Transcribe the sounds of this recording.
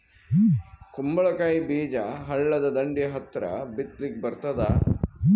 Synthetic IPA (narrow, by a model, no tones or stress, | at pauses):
kumbɐɭɐkaːjibiːd͡ʒɐɦɐɭːɐd̪ɐd̪ɐɳɖijɐɦɐt̪ːɾɐ̰bit̪lik̚bɐɾt̪ɐd̪a̰